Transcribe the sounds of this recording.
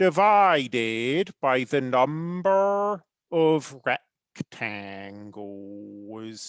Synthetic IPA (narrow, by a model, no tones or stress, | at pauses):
d̥ɨvaɪɾɪd̚baɪðɨnʌ̃mbə˞ | ʌvɹɛk | tʰæ̃ŋɡl | z̥